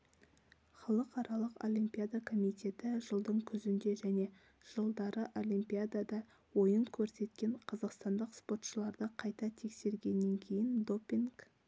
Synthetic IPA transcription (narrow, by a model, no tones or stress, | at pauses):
χɑlˠəqɑɾɑlˠəqo̞̰lʲimpijad̪akʰo̞mijt̪ʲe̞t̪ɪʒəlˠd̪əɴkʲʰʏzɪnd̪e̞ʒæne̞ | ʒ̥əlˠd̪ɑɾəʔo̞lʲimpijad̪ad̪ɑ | wo̞jəŋkʲʰɵɾse̞t̪kʲe̞ɴqʰɑzɑqst̪ɑnd̪əqspo̞t̪ʃəlˠɑɾd̪əqʰɑjt̪ɑt̪ʰe̞kse̞ɾɡʲe̞nːe̞ŋkʲʰe̞jɪnd̪o̞pʲːiŋɡ